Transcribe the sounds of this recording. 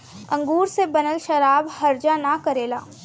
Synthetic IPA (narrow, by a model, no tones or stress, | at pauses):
ɐ̰̃ŋɡuːɾsebɐnəlʃɐɾaːbhɐɾd͡ʒanakɐɾeːlaː